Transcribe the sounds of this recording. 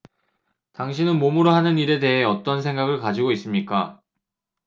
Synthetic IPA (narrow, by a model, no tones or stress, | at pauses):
taŋɕʰinɯnmomɯɾoɦanɯniɾe̞de̞ɦe̞ʌt͈ʌnsʰe̞ŋɡaɡɯɭkad͡ʑiɡois͈ɯmɲik͈a